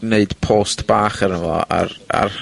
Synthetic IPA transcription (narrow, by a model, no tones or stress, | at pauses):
neɨd̥pʰoːstb̥aːχəɾənvɔ̰a̰a̰r